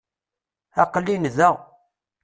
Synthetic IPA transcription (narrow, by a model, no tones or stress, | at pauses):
æqəlːinðæʁ